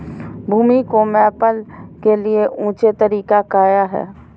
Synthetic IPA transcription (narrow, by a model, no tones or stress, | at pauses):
bʱuːmikomɛːpəlkelieʔũːt͡ʃet̪əɾiːkakaːjaɦɛ̰ː